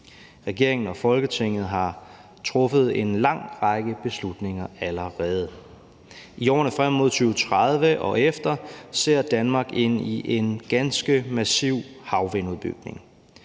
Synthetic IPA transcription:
ʁɛɡ̥e̝ɐ̰e̝ŋn̩ɒ̽fɒ̽lɡ̥ət͡sʰe̝ŋ̰ð̞̩ˠɦɑ̈ | t͡sʰʁɔ̽fəð̞̩ˠe̝nlɑ̈ŋ̰ʁɑɡ̥əb̥e̝slud̥ne̝ŋɐæləʁɛːð̞̩ˠ | iɒ̰ːnəfʁam̰ːo̝ð̞̰ˠt͡sʰyːʊət͡sʰʁað̞ˠʋəʔɒ̽efd̥ɐse̝ɐ̰d̥ænmɑ̈ːɡ̥e̝n̰iʔenɡ̥ænsɡ̥əmæsiʊ̰hɑ̈ʊʋenuðˠb̥y̰ɡ̥ne̝ŋ

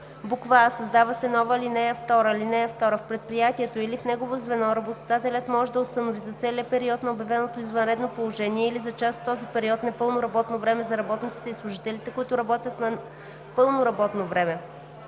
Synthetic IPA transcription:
bukvaːsɐzd̪avɐsɛnɔvəlinɛjəft̪ɔɾəlinɛjəft̪ɔɾəfpɾɛt̪̚pɾijat̪iɛt̪oilifnɛɡovozvɛnɔɾɐbot̪od̪at̪ɛlʲət̪mɔʒɛd̪ɐʊst̪ɐnovizɐt̪sɛliəpɛɾiɔt̪nɐobjɐvɛnot̪oizvɐnɾɛd̪nopolˠoʒɛniɛilizɐt͡ʃast̪ːɔzipɛɾiɔt̪nɐpɤlˠnoɾɐbɔt̪novɾɛmɛzɐɾɐbɔt̪nit̪si̥t̪ɛislˠʊʒit̪ɛlit̪ɛkʊit̪ʊɾɐbɔt̪ʲjət̪nɐ | pɤlˠnoɾɐbɔt̪novɾɛmɛ

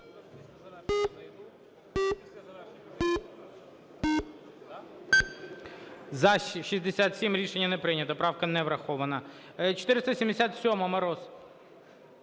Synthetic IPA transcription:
zɐʃizʲd̪ɪsʲat̪sʲimɾʲiʃenʲːɐnɛpɾɪnʲɐt̪ɐpɾɑwkɐnɛʋɾɐxɔʋɐnɐ | t͡ʃɪ̥t̪ɪɾɪst̪ɐsʲimd̪ʲɪsʲat̪sʲɔmɐmɐɾɔz

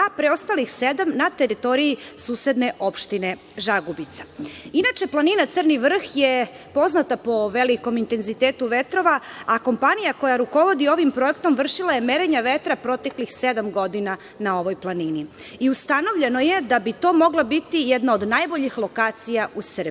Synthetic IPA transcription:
apɾeost̪alixsed̪amnat̪eɾit̪o̞ɾijisuːse̞d̪ne̞ʔo̞pʃt̪ine | ʒaɡubit̪sḁinat͡ʃe̞plˠaninat̪sərniʋr̩xje | po̞znat̪apo̞ʋeliko̞mint̪e̞nzit̪eːt̪uʋe̞t̪ɾo̞ʋaako̞mpanijako̞jaɾuko̞ʋo̞d̪io̞ʋimpɾo̞ekt̪o̞mʋr̩ʃilˠaje̞me̞ɾeɲaʋe̞t̪ɾapɾo̞t̪e̞klixsed̪amɡo̞d̪ina | nao̞ʋo̞jplˠanini | iust̪ano̞ʋʎe̞no̞je̞d̪abit̪o̞ːmo̞ɡlˠabit̪ijɛd̪naod̪najbo̞ʎixlˠo̞kaːt̪sijausrbi

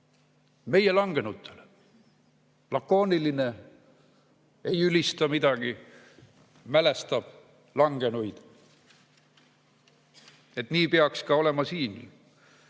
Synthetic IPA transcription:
me̞je̞lɑŋɡ̥e̞nut̪ʰˑːel | lɑkːo̞ːniline̞ | ejylist̪ɑmid̪̥ɑɡ̥i | mæle̞st̪ɑb̥ | lɑŋɡ̥e̞nujd̪̥ | e̞t̪niːpeɑkskɑo̞le̞mɑsiːn

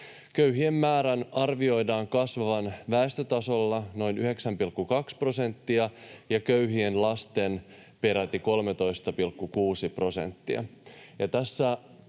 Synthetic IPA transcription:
køɥɦie̞mːæːɾænɑrʋio̞jdɑːŋkɑsʋɑʋɑnʋæest̪øt̪ɑso̞lːɑno̞inyhe̞ksæmpilkːukɑkspro̞se̞nt̪ːiɑjɑkøɥɦienlɑst̪e̞n | pe̞ɾæt̪iko̞lmet̪o̞jst̪ɑpilkːukuːsipro̞se̞̰nt̪ːiɑ̰jɑt̪æsːæ

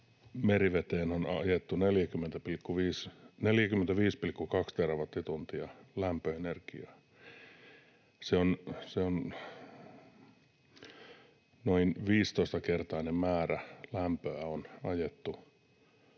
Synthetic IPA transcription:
meriʋet̪eːnonɑ̰jet̪ːuneljækymːent̪æpilkːuʋiːsneljækymːent̪æʋiːspilkːukɑkst̪erɑʋɑt̪ːit̪unt̪iɑlæmpøenerkiɑː | seonseon | noinʋiːst̪oist̪ɑkert̪ɑːnemæːrælæmpøæonɑjet̪ːu

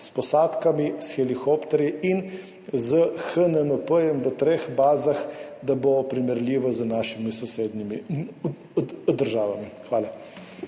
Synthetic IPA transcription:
spɔsaːt̪kamisxɛlixɔpt̪ɛɾjiin | zəxənənəpəjɛmʋət̪ɾexbaːzaxd̪abopɾimɛɾlʲiːʋɔzənaːʃimisɔseːd̪nimi | d̪əɾʒaːʋamixʋaːla

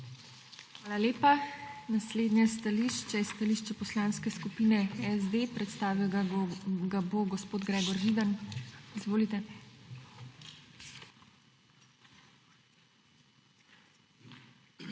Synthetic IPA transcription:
xʋaːlaleːpanasleːd̪njɛst̪aliːʃt͡ʃɛst̪aliʃt͡ʃɛpɔslaːnskɛskupiːnɛɛzd̪epɾɛt̪st̪aːʋiw | ɡaboɡɔspoːd̪ɡɾɛːɡɔɾʒiːd̪anizʋoːlit̪ɛ

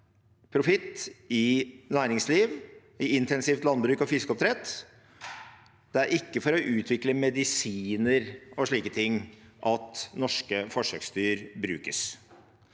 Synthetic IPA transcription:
pʰɾʊfɪt̪ːɪnæːɾɪŋsliːʋ | ɪɪnt̪ɛnsiːft̪lɑnbɾʉːkɔfɪskɔp̚t̪ʰɾɛt̪ː | d̪̥ɛæɾʔɪkːəfɔɾɔʔʉːt̪ʰʋɪkləmɛd̪ɪsiːnəɾɔʂɭiːkət̪ʰɪŋːʔɑt̪nɔʂkəfɔʂœkst̪yːɾbɾʉ̰ːkəs

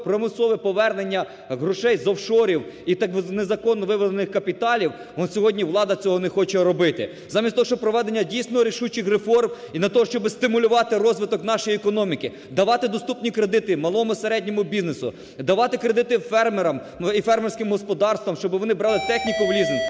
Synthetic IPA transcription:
pɾɔmɪsˠɔʋɛpɔʋɛrnenʲːɐ | ɦɾʊʃɛjzɔwʃɔɾʲiwit̪nezɐkɔnːɔʋɪʋɔlenɪxkɐpʲit̪ɑlʲiw̪ | sʲɔɦɔdʲnʲiʋlˠɑd̪ɐt͡sʲɔɦɔnexɔt͡ʃɛɾɔbɪt̪ɪ̰ | zɑmʲisʲt̪ɔɔʃt͡ʃɔpɾɔʋɛd̪enʲːɐdʲijsʲnɔɦɔɾʲiʃut͡ʃɪxrefɔrm | inʲɐt̪ɔɦɔʃt͡ʃɔbɪst̪ɪmʊlʲʊʋɑt̪ɪɾɔzʋɪt̪ɔkn̪ɑʃɔjiɛkɔnɔmʲikɪ | d̪ɐʋɑt̪ɪd̪ɔst̪upnʲikɾed̪ɪt̪ɪmɐlˠɔmʊseɾɛdʲnʲɔmʊbʲiznesʊ̰ | d̪ɐʋɑt̪ɪkɾed̪ɪt̪ɪfɛrmeɾɐm | ifɛrmɛrsʲkɪmɦɔspɔd̪ɑrst̪ʋɔmʃt͡ʃɔbɪʋɔnɪbɾɑlˠɪt̪ɛxnʲikʊʋlʲizen

